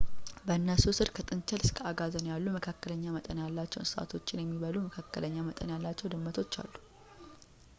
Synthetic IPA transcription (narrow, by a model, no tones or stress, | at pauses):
bəɨnːəsusɨɾkʰət̪ʼɨnt͡ʃɛlɨskʰəaɡazənjalːuməkʰakːələɲːamət̪ʼənjalːat͡ʃːɛwnsɨa̰t̪ʰo̞t͡ʃːɪnjɛmːiβəluməkʰakːə̰ləɲːamət̪ʼənjalːat͡ʃːɛwd̪ɨmːət̪ʰo̞t͡ʃːa̰lːu